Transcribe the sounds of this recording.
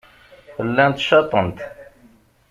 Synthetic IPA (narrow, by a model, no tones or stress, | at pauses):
fəlːænt̪ʃɑt̪ˤənt̪